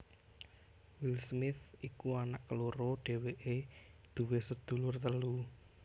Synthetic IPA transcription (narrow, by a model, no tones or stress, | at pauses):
wilsmɪθikuanaʔkəloɾɔɖ̥e̤weʔed̪̥ṳwesəd̪̥ṳlʊrt̪əlu